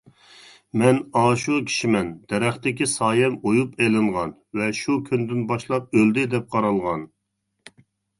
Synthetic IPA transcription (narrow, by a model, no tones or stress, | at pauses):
mɛnɑːʃukʲʰi̥ʃimɛnd̪̥ɛɾɛχt̪ɪkʲisɑːjɛmojupelɪɴʁɑn | vɛʃukʲʰynd̪ɪnbɑʃlˠɑp̚øld̪ɪd̪ɛp̚qʰɑɾɑlˠʁɑn